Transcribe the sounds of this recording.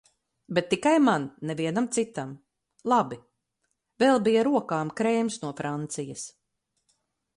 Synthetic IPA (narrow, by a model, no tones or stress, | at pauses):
bet̪ːikajmanːɛviɛnamt̪sit̪am | lˠabi | vɛlˠbijaɾuɔkaːmkɾɛːmsnuɔfɾant̪sijɐs